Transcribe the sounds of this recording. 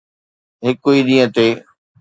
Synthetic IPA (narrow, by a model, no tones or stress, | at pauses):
ɦɪkʊiːɗĩːə̃t̪eː